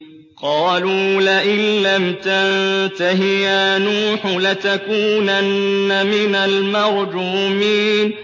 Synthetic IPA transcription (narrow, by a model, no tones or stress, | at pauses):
qɑːluːlaʔɪlːamt̪ant̪aɦɪjanuːħlɪt̪akuːnʔanːamɪnalmɑɾˤd͡ʒuːmiːn